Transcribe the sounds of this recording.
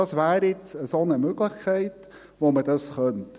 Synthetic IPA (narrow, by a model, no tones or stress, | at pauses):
ɑsʋæːɾjɪt͡səsonəmøɡləχkʰɛɪt | ʋomədɑsχœnt